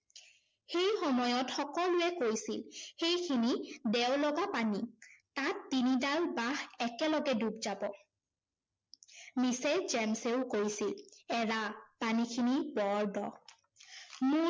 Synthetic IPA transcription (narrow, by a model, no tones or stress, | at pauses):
xejxɔmɔjɔtxɔkɔlʊɛkoɹjsilxejkʰinidɛwlɔɡapanitatːinidalbahɛkɛlɔɡɛdubzabɔ | mised͡ʒɛmseʊkoɹisilɛɹapanikʰinibɔɹdɔ̰ | mʊ